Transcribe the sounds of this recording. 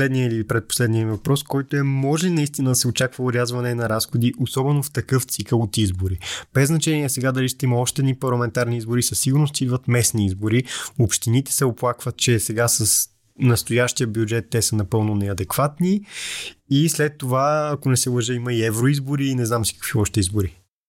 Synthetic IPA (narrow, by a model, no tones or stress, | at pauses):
lɛd̪nijəiliipɾɛt̪̚po̥slɛd̪nijəmivɐpɾɔskɔjt̪oɛmɔʒɛlinɐist̪inəd̪ɐsɛot͡ʃakvəʊɾʲjazvɐnɛnɐɾasxod̪iʔosɔbɛnoft̪ɐkɤft̪sikəlˠot̪izboɾib̥ɛznɐt͡ʃɛniɛsɛɡad̪ɐliʃt̪ɛimɐɔʃt̪ɛd̪nipɐɾlˠɐmɛnt̪aɾniizboɾisɐsːiɡʊɾnost̪id̪vɐt̪mɛsniizboɾiopʃt̪init̪ɛ̥sɛoplˠakvət̪̚t͡ʃɛsɛɡasəs | nɐst̪ojaʃt̪ijəbjud͡ʒɛt̪ːɛsənɐpɤlˠnonɛɐd̪ɛkvat̪ni | islɛt̪ːovaɐkonɛsɛlˠəʒəiməiɛvɾoizboɾiːnɛznamsi̥kə̥kv̥iɔʃt̪ɛizboɾi